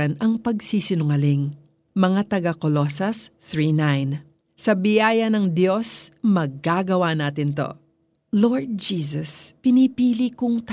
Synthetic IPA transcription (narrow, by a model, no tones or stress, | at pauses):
ɐnɐŋpɐɡsiːsɪnʊŋɐlɪŋ | mɐŋat̪ɐɡakolo̞sɐst̪ɹiːnajn | sɐbɪjaːjɐnɐŋd̪jo̞smɐɡːaːɡɐwanaːt̪ɪnt̪o̞̰ | loɹd̪̚d͡ʒiːs̬ɐspɪnipiːlikʊŋt̪